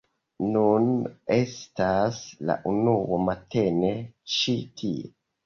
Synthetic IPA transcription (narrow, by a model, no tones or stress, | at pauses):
nune̞stasla̰ʔunuwomate̞ne̞t͡ʃitʰie